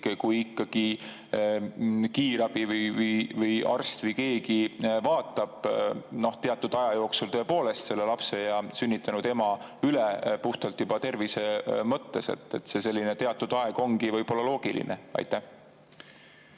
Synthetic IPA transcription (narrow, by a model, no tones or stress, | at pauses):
kkujikˑːɑɡ̥i | kiːɾɑb̥ivɯjvɯjvɯjɑ̰rst̪vɯjke̞ːɡivɑːt̪ˑːɑb̥no̞ht̪e̞ɑt̪ˑːud̪̥ɑjɑjo̞ːksult̪ø̞po̞ːle̞st̪se̞lːe̞lɑpse̞jɑsynʲːit̪ːˑɑnud̪̥e̞mɑ | ylepuht̪ɑlt̪ːjub̥ɑt̪e̞rvise̞mɤt̪ːe̞se̞̰t̪ːe̞t̪ːse̞se̞lːinet̪e̞ɑt̪ːˑud̪̥ɑe̞ɡ̥o̞ŋɡivɤjb̥o̞lːɑlo̞ːɡ̥ilḭneɑ̰jt̪ːˑæh